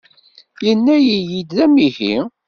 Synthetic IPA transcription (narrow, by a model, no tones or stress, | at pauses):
jənːæjijid̪ðæmihḭ